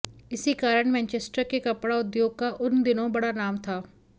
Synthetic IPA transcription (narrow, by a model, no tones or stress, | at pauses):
ɪsikaːɾəɽ̃mɛ̃ːnt͡ʃeːsʈəɾkekɐpɽaʊd̪joːɡ̚kaʔʊnd̪ɪnõbɐɽanaːmt̪ʰaː